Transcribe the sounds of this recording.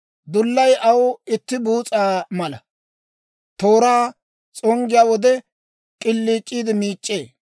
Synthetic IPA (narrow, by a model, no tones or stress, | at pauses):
d̪ʊlːɐjʔɐwɪt̪ːɪbuːt͡sʼaːmɐlɐ | t̪o̞ːɾaː | t͡sʼɔŋɡɪjaːwɔd̪ɛ | kʼɪlːiːt͡ʃʼːiːd̪ɪmiːt͡ʃʼːeː